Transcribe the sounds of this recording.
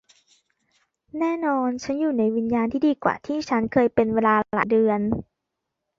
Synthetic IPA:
nɛː˥˩˨nɔː˧nt͡ɕʰa˦˥njuː˧˩na˧˥jwi˧njaː˧nt̪ʰiː˧˩diː˧˦kwa̰ː˨˩t̪ʰiː˧˥˩t͡ɕʰa˦˥nkʰɤː˧jpe˧nweː˧laː˧la̰˨˩dɯ˧ən

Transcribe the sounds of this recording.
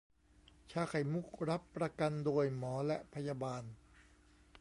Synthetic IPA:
t͡ɕʰaː˧kʰa˨˩jmu˦˥˩k̚ɾa˦˥pːɾa˧ka˧ndoː˧jmɔː˩˦lɛ˦˥ʔpʰa˧jaː˧baː˧n

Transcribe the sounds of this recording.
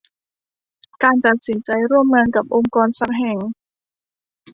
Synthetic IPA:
kaː˧nt̪a˨˩t̪̚si˩˦nt͡ɕa˧jɾu˥˩əmŋaː˧nka˨˩p̚ʔo˧ŋkɔː˧nsa˧˥p̚ɦɛ˨˩ŋ

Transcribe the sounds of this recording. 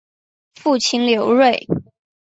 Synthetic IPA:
fu˥˩t͡ɕʰi˥nljo˧˥ʊɻwe˥˩ɪ

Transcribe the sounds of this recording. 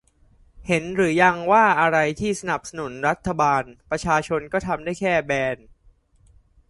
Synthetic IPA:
he˩˦nɾɯː˩˦ja˧ŋwaː˥˩ʔa˧ɾa˧jt̪ʰiː˥˩sa˧na˨˩p̚sa˧nu˩˦nɾa˦˥t̪ʰːa˧baː˧npɾa˧t͡ɕʰaː˧t͡ɕʰo˧nkɔː˥˩t̪ʰa˧mdaː˥˩jkʰɛː˥˩bɛː˧n

